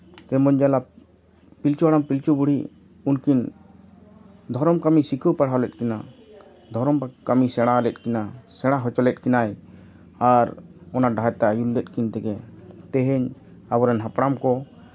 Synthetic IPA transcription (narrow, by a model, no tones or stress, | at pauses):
t̪ɛmɔɲd͡ʒala | pilt͡ʃuaɽampilt͡ʃubuɽ̤i | unkin | d̪ʱɔɾɔmkamisikʰəwpaɽ̤aɔlɛt̪̚kɛna | d̪ʱɔɾɔmpakamisɛɽ̃alɛt̪̚kinasɛɽ̃aɦɔt͡ʃɔlɛt̪̚kinaj | aɾɔnaɖajt̪aajullɛt̪̚ˀkint̪ɛɡɛt̪ɛɦɛɲabɔɾɛnɦapɽamkɔ